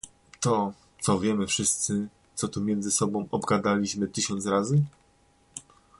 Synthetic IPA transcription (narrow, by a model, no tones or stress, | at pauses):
t̪ɔ | t̪sɔvʲjɛmɘfʂɘst̪sɘ | t̪sɔt̪umʲjɛnzɘsɔbɔ̃w̃ɔbɡad̪alʲiɕmɘt̪ɘɕɔnt̪sɾazɘ